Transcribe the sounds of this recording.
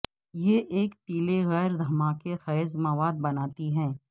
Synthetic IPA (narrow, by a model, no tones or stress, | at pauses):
jeʔeːkpiːleɣɛːɾd̪ʱɐmaːkexɛːzmɐʋaːd̪̚bɐnaːt̪iɦɛ̃ː